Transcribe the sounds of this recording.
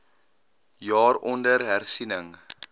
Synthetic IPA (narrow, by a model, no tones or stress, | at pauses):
jɑːrɔndərɦærsinəŋ